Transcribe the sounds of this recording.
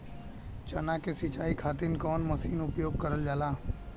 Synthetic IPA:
t͡ʃɐnakesɪt͡ʃaːikʰaːt̪ɪnkɔːnmɐsiːnʊpjoːɡ̚kəɾəld͡ʒaːlaː

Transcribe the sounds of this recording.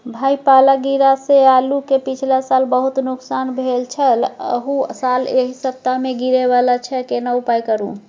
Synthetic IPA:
bʱajpalaɡiɾasealukepit͡ʃʰlasalbəɦut̪nuksanbʱelt͡ʃʰələ̰ɦusaleɦisəp̚t̪ameɡiɾeβalat͡ʃʰɛkenaupajkəɾṵ̃

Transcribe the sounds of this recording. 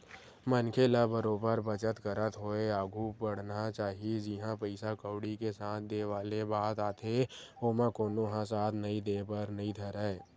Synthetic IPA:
mənkʰelabəɾoːbəɾbət͡ʃət̪kəɾət̪ɦoːeaːɡʱupəɽ̤nat͡ʃaːɦied͡ʒɪɦãpəɪsakəːɽikesaːt̪ʰd̪eːʋaːlebaːt̪aːt̪ʰeoːmãkoːnoɦãsaːt̪ʰnəĩd̪eːpəɾnəɦĩd̪ʱəɾəe

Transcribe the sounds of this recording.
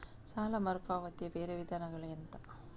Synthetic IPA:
saːlɐmɐɾkaːʋɐt̪ijɐbeːɾeʋid̪ʱaːnɐɡɐɭɐnt̪ɐ

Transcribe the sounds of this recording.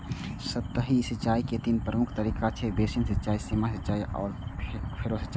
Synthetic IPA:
sət̪ːəɦisət͡ʃaːiket̪inpɾəmʊkʰt̪əɾiːkat͡ʃʰebeːsinsɐt͡ʃaːisiːmasətːt͡ʃaːiʔɔ̰ːɾpʰeɾosət͡ʃaːi

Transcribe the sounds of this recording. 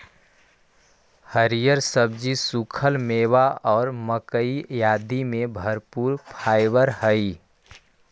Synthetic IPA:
həɾijəɾsəbd͡ʒisukʰəlmeːwaɔːɾməkəijaːd̪imẽbʱəɾpuːɾpʰaːɪʋəɾhəi

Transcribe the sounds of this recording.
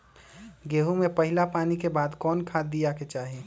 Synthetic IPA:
ɡeːɦumẽpɐɦɪlapaːnikebaːd̪kɔːnkʰaːd̪ijaket͡ʃaːɦe

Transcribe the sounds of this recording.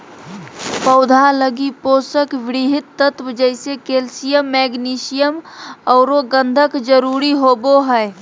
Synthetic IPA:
pəʊd̪ʱaləɡipoːsəkʋɪɽiɦɪt̪ːət̪wəd͡ʒəɪsekelsijəmːɛɡniːsijəmɔːɾoɡə̃nd̪ʱəkd͡ʒəɾuɾiɦoːboɦɛɪ

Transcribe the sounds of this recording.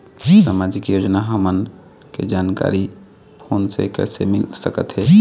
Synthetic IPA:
saːmaːd͡ʒɪkjoːd͡ʒnaɦəmən | ked͡ʒaːnka̰ːɾi | pʰoːnsḛkɛ̰ːsemɪlsəkə̰t̪ɦɛː

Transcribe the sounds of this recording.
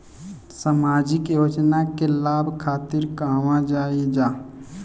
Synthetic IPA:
samaːd͡ʒɪkjoːd͡ʒnakelaːbʱkʰaːt̪ɪɾkaːmãd͡ʒaːid͡ʒaː

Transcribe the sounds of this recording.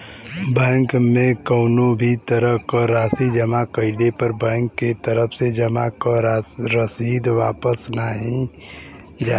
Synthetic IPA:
bɛ̃ːŋkmẽkəʊnobʱit̪əɾəkəɾaːsid͡ʒəmakəɪɖepəɾbɛ̃ːŋkːet̪əɾəpʰsed͡ʒəmakəɾɾəsiːd̪ʋaːpəsnaɦĩ | d͡ʒa

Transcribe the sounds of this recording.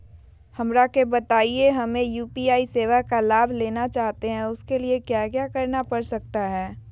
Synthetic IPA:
hɐmɾakebɐt̪aːieɦɐmẽjuːpiaːiseːʋakalaːbʱleːnat͡ʃaːɦt̪eɦɛ̃ʊskeliekjaːɡjakɐɾnapɐɽsɐk̚t̪aɦɛː

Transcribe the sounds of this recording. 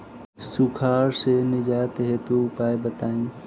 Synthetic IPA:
sʊkʰaːɾsenɪd͡ʒaːjət̪ɦeːt̪uːpaːebɐt̪aːĩː

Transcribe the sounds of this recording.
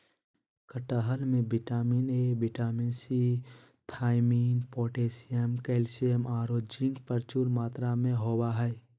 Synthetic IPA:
kəʈaɦəlmẽbɪʈaːmiːnebɪʈaːminsi | t̪ʰaːɪmiːnpɔːʈeːsijəmkɛːlsiəmaːɾoːd͡ʒɪ̃ŋɡpəɾt͡ʃuːlmaːt̪ɾamẽɦoːbaɦɛ

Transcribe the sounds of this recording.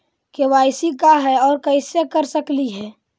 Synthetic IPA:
keʋaːɪsikaɦɛɔːɾkəɪsekəɾsəkliɦɛː

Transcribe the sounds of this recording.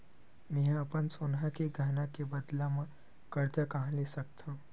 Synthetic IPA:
mɛ̃ɦɐpənsonɦakeɡʱaːnakebəd̪lamã | kəɾt͡ʃakaɦãlesək̚t̪ʰã

